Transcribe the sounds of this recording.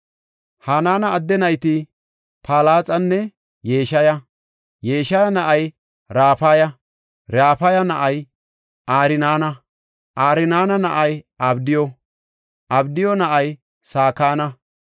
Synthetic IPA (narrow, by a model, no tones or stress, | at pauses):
haːnaːnɐːd̪ːɛnɐjt̪ɪ | pʰaːlaːt͡sʼɐnːɛ | jeːʃɐjɐ | jeːʃɐjɐnɐʔɐj | ɾaːfaːjɐ | ɾaːfɐjɐnɐʔɐj | ʔaːɾɪnaːnɐ | ʔaːɾɪnaːnɐnɐʔɐjʔɐbd̪ɪjɔ | ʔɐbd̪ɪjɔnɐʔɐj | saːkaːnɐ